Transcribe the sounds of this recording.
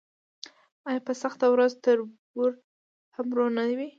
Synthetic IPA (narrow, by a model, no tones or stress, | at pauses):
ɑjɑpəsaxt̪awɾazt̪əɾbuɾ | hamɾonad̪wi